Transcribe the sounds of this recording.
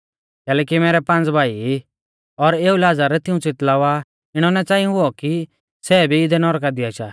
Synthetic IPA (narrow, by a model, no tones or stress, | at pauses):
kɛːlɛːkimɛːɾɛpãnd͡zbʱaːi | ɔɾeːulaːd͡zaɾɛt̪ɪũt͡sɪt̪laːʋa | ɪɽ̃ɔnɛt͡saːɪũɦʊɔki | sɛːbʱiɪd̪ɛnɔɾkad̪ɪaʃa